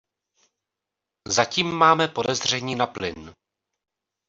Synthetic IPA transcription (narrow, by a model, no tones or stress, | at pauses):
zaciːmːaːmɛpo̞dɛzr̝ɛɲiːnaplɪn